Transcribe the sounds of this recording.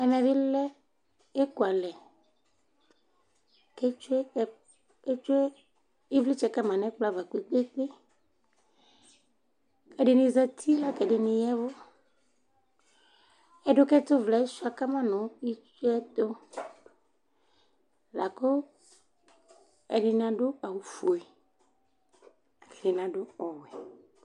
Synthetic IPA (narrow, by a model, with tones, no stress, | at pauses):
ɛ˨mɛ̃˨vi˦lɛ˦ | e˦ku˨a˨lɛ˨ | ke˦t͡ʃ | e˦t͡ʃu˦e˦ | i˦vli˦t͡ʃɛ˨ka˦mã˨nɛ̃˦k͡pla˦va˨ki˨k͡pe˦k͡pe˦ | kɛ˨ɖe˨nĩ˨zɛ˦t̪ʰi˦la˦kɛ˨ɖe˨nĩ˨jɛ˦vo˦ | ɛ˦ɖʊ˦kɛ˦t̪ʊ˦vlɛ˨˦su˦a˨ka˦mã˦nʊ̃˨i˦t͡ʃu˦ɛ˦t̪o˦ | la˨ko˦ | ɛ̰˨ɖɪ˨nã˨ɖʊ˦a˨wu˨fu˨ɛ˨ | kɛ˨dɪ˨nã˨ɖʊ˦ɔ˨wɛ˨